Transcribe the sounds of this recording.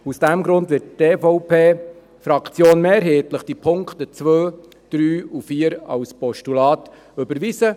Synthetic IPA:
usd̥æmɡɾʊndʋɪtteːfɔʊpeː | fɾɑkt͡sjoːnmeːɾɦeːtləχd̥ipʰʊŋktət͡sʋøː | d̥ɾyːufiːəɾɑ̰wspɔʃtulɑːt | ɵbəɾʋisə

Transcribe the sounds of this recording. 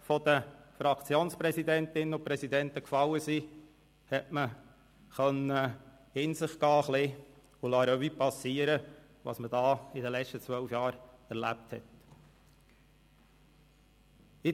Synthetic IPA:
fɔd̥əfɾɑkt͡sjoːnspɾɛsid̪ɛnt̪ɪnːəʊpɾɛsid̪ɛnt̪əkfɑlːəsi | hɛtmə | χœnə | ɪnsɪχɡ̥ɑːχlɪ | ulɑɾœʋipɑsiːəɾə | ʋɑ̰sməd̥ɑːidəlɛt͡ʃtət͡sʋœlfjɑːɾæɾlæ̰p̚thɛ̰t | ɪ

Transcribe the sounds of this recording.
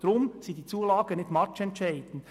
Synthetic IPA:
d̥ɾʊmsiːdiːt͡suːlɑːɡ̥ənɪtmɑt͡ʃɛntt͡ʃɛɪd̥n̩

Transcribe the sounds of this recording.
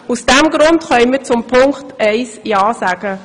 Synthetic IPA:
usd̥ɛmɡɾʊntχœʏmət͡sʊmpʰʊŋkχtɛɪsjaːsaːɡ̥ə

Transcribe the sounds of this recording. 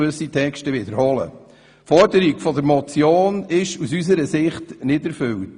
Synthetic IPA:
ʏsitʰɛkʃtəʋɪdəɾhɔlə̰ | fɔɾdəɾikfɔdəɾmɔt͡sjoːnɪʃusys̬əɾəsɪχtnɪdɛɾfʏlt

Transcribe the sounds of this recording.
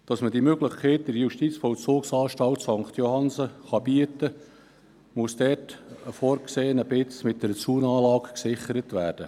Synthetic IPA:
d̥ɑsməd̥imøɡləχkʰɛɪt̚d̥ɪɾjuʃtit͡sfɔlt͡soːksɑːʃtɑltsɑŋkχt̪johɑnsəχɑbiətə | mʊsd̥ɛtəfoːɾkseːnəbɪt͡smɪt̚d̥ɛɾət͡suːnɑːlɑːkksɪχəɾətʋæːɾd̥ə

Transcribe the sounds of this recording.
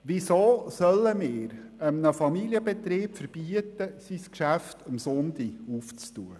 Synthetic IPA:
ʋisoːsœlːəmɪːɾ | əmnəfɑmiliəbɛt̪ɾiːpfəɾb̥iət̪əsiskʃæftəmsɔnt̪iuft͡stuːə

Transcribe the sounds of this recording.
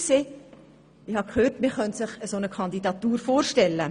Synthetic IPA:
seː | ɪhɑkχøːrtmɪχœnt̪sɪχəsonəkʰɑnd̪idɑt̪uːɾfoːrʃtɛlːə

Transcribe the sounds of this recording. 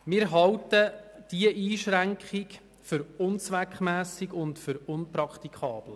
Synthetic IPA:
mɪːɾɦɑltəd̥iəʔiːʃɾæŋkχɪk | fʏɾʊnt͡sʋækχmæːsɪɡʊntfʏɾʊnpɾɑkʰt̪ikʰχɑːb̥l̩

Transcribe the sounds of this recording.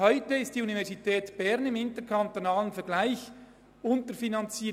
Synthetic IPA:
hɔʏtəɪstd̥iːunivɛʁsitʰɛːtb̥ɛʁnɪmɪntəkʰɑntonaːlənfɛɐʁɡlaɪç | ʊntəɾfinɑnt͡siː

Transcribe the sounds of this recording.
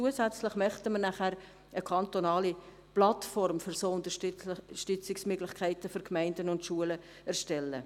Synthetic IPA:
t͡suəsæt͡slɪχmœχtəmənæχæɾ | əkʰɑnt̪onɑːli | plɑtfɔɾmfʏɾsoːʊndəʃʃtʏt͡sɪksmøɡlɪχkʰæɪtəfʏɾkmæɪndənʊntʃuələ | æɾʃtɛlːə̰

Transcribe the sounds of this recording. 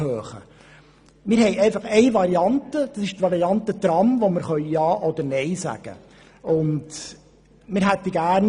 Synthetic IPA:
høːχə̰ | mɪɾhɛɪɛɪfɑχɛɪʋɑɾiɑntəd̥ɑsɪʃtʋɑɾiɑntət̪rɑmvoməɾχœʏjɑːʔɔd̪əɾnɛɪsæ̰ɡ̥ə̰ | ʊnd | mɪɾɦɛt̪ːiɡæːɾn

